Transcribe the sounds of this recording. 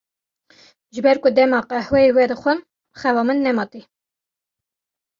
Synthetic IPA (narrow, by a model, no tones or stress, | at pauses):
ʒɨbɛɾkʊd̪ɛmɑːqæhwɛiwɛd̪ɨxʷəm | xɛvɑːmɨnːɛmɑt̪i